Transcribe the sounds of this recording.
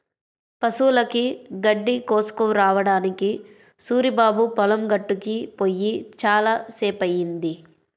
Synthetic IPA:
pɐsuːlɐkiɡɐɖːikoːsu̥kɐmɾaːʋɐɽaːniki | suːɾibaːbupɐlɐmɡɐʈːukipojːit͡ʃaːlaːseːpɐjːind̪i

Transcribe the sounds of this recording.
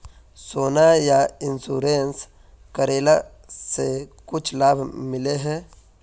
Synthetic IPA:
sonajainsuɾens | kɐɾela | sekut͡ʃlabmileɦe

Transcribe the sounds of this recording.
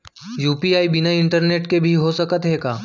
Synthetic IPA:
juːpiaːibɪnaɪ̃ɳʈəɾneːʈkebʱiɦosɐkət̪ɦeːɡaː

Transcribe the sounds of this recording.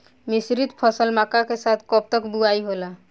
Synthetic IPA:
misɾit̪pʰəsəlmakakesat̪ʰkɔp̚t̪əkbuaiɦola

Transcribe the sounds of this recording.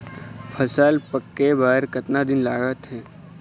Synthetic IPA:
pʰɐsaːlpɐkːebaːɦɾkɐt̪nad̪ɪnlaːɡət̪ɦɛ̃ː

